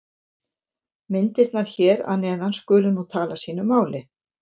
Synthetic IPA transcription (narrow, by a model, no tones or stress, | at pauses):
mɪnt̪ɪɾ̥t̪naɾ̥çɛːɾa̰ðnɛːðanskʏːlʏnut̪ʰaːlasiːnʏmːaːwlɪ